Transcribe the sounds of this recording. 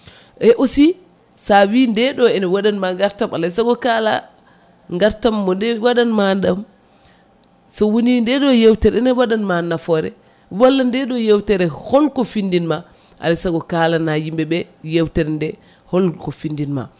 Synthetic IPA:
ʔɛʔosi | sawindɛɗɔɛnɛwaɗanmaŋɡaɾtamalasaɡɔkala̰ | ŋɡaɾtamːɔndɛwaɗanmanɗam | sɔwonindɛɗɔjewtɛɾɛnɛwaɗanmanːafɔɾɛ̰ | walːandɛɗɔjɛwtɛɾɛhɔlkɔfindinma | ʔa̰lasaɡɔkalanajimbɛɓɛjewtɛɾɛndɛ | hɔlkɔfindinma̰

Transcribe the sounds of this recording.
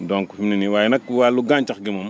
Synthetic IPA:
doŋkufimniniwajinakwaluɡãnt͡ʃakɡimom

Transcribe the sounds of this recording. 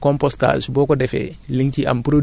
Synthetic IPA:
kɔmpɔsta̰ːʃbɔːkɔdɛfɛ̰liŋcia̰mpɾod

